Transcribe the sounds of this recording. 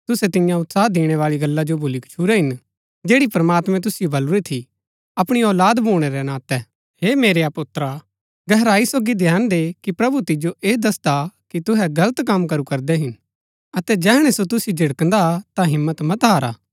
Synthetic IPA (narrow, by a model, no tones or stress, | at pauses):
t̪ʊsɛt̪ɪjãʊt̪saːd̪eːɽ̃ɛʋaːɭiɡɐlːad͡ʒobʱuːlikɐ̥t͡ʃʰuːɾɛɦɪn | d͡ʒeːɽipɐɾmaːt̪mɛ̃t̪̬ʊsɪjobʱɐluɾet̪ʰi | ɐpɽ̃iɔːlaːd̪boːɽ̃eɾɛnãːt̪ɛ | ɦeːmeːɾejapʊt̪ːɾa | ɡɛɦɾaːisoːɡid̪ʱjaːnd̪eːkipɾɐbut̪ɪd͡ʒoʔeːd̪ɐsd̪akit̪ʊɦɛɡɐlət̪kɐmkɐɾukɐɾd̪ɛɦɪn | ɐt̪ɛd͡ʒɛːɽ̃ɛsot̪ʊsjod͡ʒʱɪɽkənd̪at̪ãɦɪmːət̪mɐt̪ɦaːɾa̰ː